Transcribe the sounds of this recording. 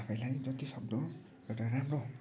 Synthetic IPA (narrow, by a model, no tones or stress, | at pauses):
apʰajlajd͡zʌt̪isʌk̚d̪o | ewʈaɾamro